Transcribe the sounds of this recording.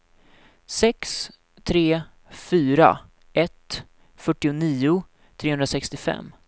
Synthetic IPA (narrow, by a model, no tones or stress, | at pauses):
sɛks | t̪ʰɾeː | fyːɾa̰ | ʔɛt̪ | fœʈːɪʊniːʊ | t̪ʰɾeːhɵnd̪ɾasɛkst̪ɪfɛ̰mː